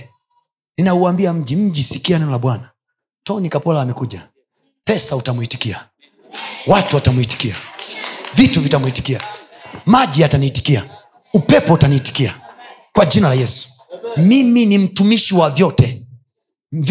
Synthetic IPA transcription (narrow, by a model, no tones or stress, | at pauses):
ninauambiam̩ʄim̩ʄisikianɛnɔlaɓwana | tɔnikapɔlaːmɛkuʄa | pɛsautamuiti̥kia | watuwatamuiti̥kia̰ | vituvitamuiti̥kia | maʄiataniːti̥kia̰ | upɛpɔutaniːti̥kiakwaʄinalajɛsu̥miminim̩tumiʃiwavjɔtɛ | v